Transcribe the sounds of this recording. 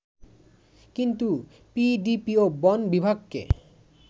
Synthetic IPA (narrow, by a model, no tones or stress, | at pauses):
kint̪u | piɖipiobɔnbibʱaɡkḛ